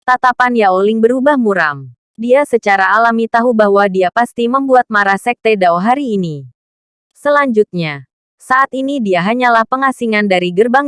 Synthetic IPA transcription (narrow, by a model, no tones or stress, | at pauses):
t̪at̪apanjaolɪŋbəɾubahmuɾam | diasət͡ʃaɾaːlamit̪aɦubaɦwadiapast̪iməmbuat̪̚maɾasɛk̚t̪edawɦaɾiːni | səlaɲd͡ʒut̪̚ɲa | saʔat̪inidiaɦaɲalahpəŋasiŋandaɾiɡərbaŋ